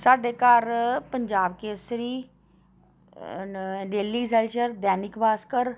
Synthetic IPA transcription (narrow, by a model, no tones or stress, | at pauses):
saːɖeːkaɾpəɲd͡ʒaːbkeːsɾiː | ɖeːliːs̬ɛːlt͡ʃəɾd̪ɛːnɪkʋaːskəɾ